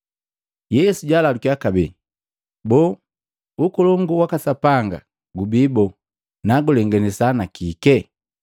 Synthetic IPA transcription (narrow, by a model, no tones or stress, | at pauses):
jɛsuɟalalukiakabɛ̰ | bɔ | ukɔlɔŋɡuwakasapaŋɡa̰ | ɡubibɔ | naɡulɛŋɡɛnɛsanakikɛ